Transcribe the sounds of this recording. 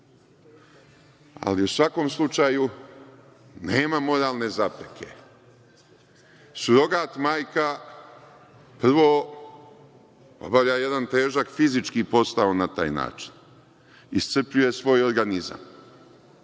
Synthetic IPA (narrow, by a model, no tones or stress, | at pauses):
a̰liusʋako̞mslˠut͡ʃaju | ne̞ːmamo̞ɾaːlˠne̞zapɾekʰe̞̰ | suɾo̞ɡaːt̪maːjka | pr̩ʋoː | o̰bavʎaje̞d̪ant̪e̞ːʒakfizit͡ʃkipo̞st̪aonat̪a̰ːjna̰ːt͡ʃi̥n | ist̪sɨrpʎuje̞sʋo̞ːjo̞ɾɡaniza̰m